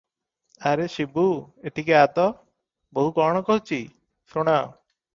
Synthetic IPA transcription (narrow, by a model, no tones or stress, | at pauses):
aɾesibueʈikeat̪ɔ | boɦukɔɽ̃ɔkɔɦut͡ʃʰi | suɽ̃aw